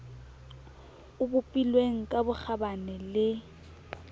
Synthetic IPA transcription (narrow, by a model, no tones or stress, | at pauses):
ʊbʊpʼilweŋ̩kʼabʊk͡xʰabanɛlɪ